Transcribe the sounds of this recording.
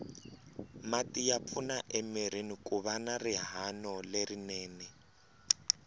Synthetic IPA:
matʼijap̪fʰunaʔɛmiɾ̤inikʼuβanariɦanɔlerinɛːnɛ

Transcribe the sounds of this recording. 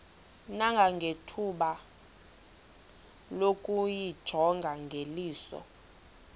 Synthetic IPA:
naŋɡʱaŋɡʱetʰuɓa | lokʼujid̥ʒ̥ʱɔŋɡʱaŋɡʱeliːsɔ̰

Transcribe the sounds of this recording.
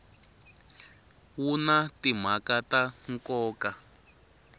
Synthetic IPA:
wunatim̤akataŋkɔːka

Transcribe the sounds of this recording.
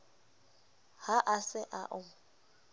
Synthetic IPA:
haʔasɪʔaʔʊ

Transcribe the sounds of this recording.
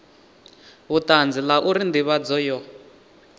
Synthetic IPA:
βutand͡zilaʔuɾind̪iβad͡zɔjɔ

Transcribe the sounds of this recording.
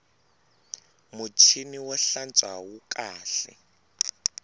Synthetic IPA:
mut͡ʃʰiniwɔɬant͡sʼwawukʼaːɬɛ̰

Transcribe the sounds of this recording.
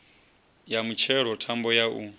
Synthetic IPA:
jamut͡ʃʰɛɺɔtʰambɔjaʔu

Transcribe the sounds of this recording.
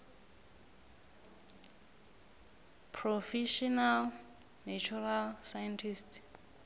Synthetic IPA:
pʰrɔfɛʃɔnal | nat͡ʃʰuɾalsajantʰist

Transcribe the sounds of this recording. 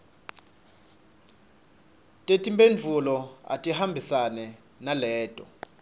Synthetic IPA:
tʼetʼimbenvʱulɔa̰tʼihambʱisanɛ | nalɛːtʼɔ

